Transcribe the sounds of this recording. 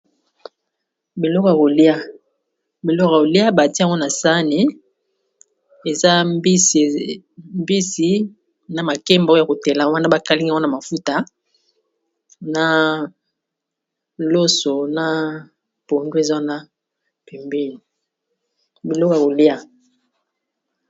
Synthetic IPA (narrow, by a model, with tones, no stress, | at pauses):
bi˨lɔ˦ko˨ja˨ko˨li˦a˦ | bi˨lɔ˦ka˨ko˨li˦a˦ba˨ti˦˨ŋ˦ɡɔ˦na˨sa˦ni˨˦ | e˨za˦bi˦˨ | mbi˦si˦ | na˨ma˨ke˦mba˦ja˨ko˨te˨la˨wa˦na˦ba˦ka˦li˦ŋ˦˨˦o˦na˨ma˨fu˦ta˨ | na˨ | lo˦so˨na˦ | po˨ndwe˨za˦na˦ | pe˨mbi˦ni˨ | bi˨lɔ˦ko˦˨a˨ko˨li˦a˦